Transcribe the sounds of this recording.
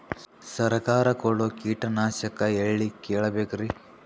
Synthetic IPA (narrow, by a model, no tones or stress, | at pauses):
sɐɾɐkaːɾɐkoɭokiːʈɐnaːʃɐkɐeɭːikeːɭɐbeːkɐɾi